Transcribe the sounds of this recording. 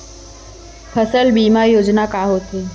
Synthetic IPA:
fʰəsəlbiːmajoːd͡ʑnakaɦoːt̪iː

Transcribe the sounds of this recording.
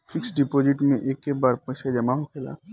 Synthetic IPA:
fɪksɖipoːd͡ʒɪʈmẽʔeːkːebaːɾpəɪsed͡ʒɐmaɦokʰela̰ː

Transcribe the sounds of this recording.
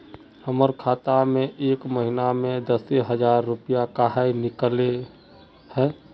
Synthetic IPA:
həməɾkʰaːt̪amẽʔeːkməɦinamẽd̪əseɦəd͡ʒaːɾːʊpijakaɦajnɪkəle | hɛː

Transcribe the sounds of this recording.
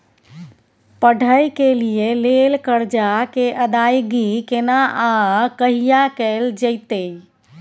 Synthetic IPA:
pəɖʱəjkelijelelkəɾd͡ʒakeʔəd̪ajɡikenaʔakəɦijakɛld͡ʒəɪt̪ə

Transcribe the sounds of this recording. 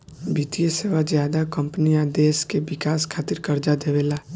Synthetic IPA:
biːt̪ijeseːʋazjaːd̪akɐ̃mpənijaːd̪eːskebɪkaːskʰaːt̪ɪɾkɐɾd͡ʒad̪eʋeːlaː

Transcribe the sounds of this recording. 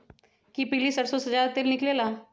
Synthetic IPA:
kipɪlisəʈsosəd͡ʒaːɾt̪elnɪklelaː

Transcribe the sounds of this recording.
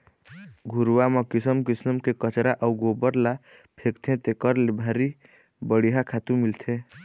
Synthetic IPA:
ɡʱuɾuwamɔkisəmkisəmkekət͡ʃɾaʔəuɡobəɾla | pʰekt̪ʰẽt̪ekəɾlebʱaɾi | bəɽiɦakʰat̪umilt̪ʰẽ

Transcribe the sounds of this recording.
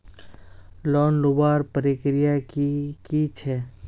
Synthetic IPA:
lɔːnlubaːɾpəɾikɾijakkit͡ʃʰɛ

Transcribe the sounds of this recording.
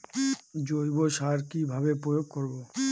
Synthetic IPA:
d͡ʑojboʃaɾkibʱabepɾojoɡ̚koɾbo

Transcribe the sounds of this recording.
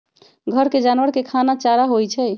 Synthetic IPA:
ɡʱəɾked͡ʒanwəɾkekʰanat͡ʃaɾaɦojt͡ʃʰɛj

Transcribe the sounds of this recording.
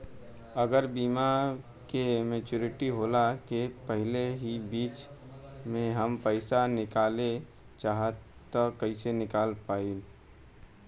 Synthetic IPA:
əɡəɾbiːma | kemeːt͡ʃuːɾɪʈiɦoːlakepəɦɪleɦibiːt͡ʃ | mẽɦəmpəɪsanɪkaːle | t͡ʃaːɦət̪t̪ːɔkəisenɪkaːlpaːin

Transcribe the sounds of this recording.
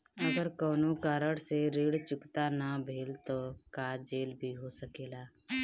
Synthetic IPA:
əɡəɾkoːnokaːɾəɽseɾiːɽt͡ʃʊkt̪anabʱeːlt̪oːkaːd͡ʒeːlbʱiɦosəkeːlaː

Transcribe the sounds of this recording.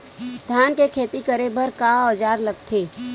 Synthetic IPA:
d̪ʱjaːnkekʰeːt̪ikəɾebʱəɾkaɔːd͡ʒaːɾlɐɡ̚t̪ʰeː

